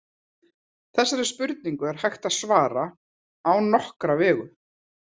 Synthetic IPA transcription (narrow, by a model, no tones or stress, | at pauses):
θɛsːaɾɛspʏɾt̪̚niŋkʏɛɾ̥hajxt̪aðsvaːɾa | awnɔhkɾavɛːɣʏ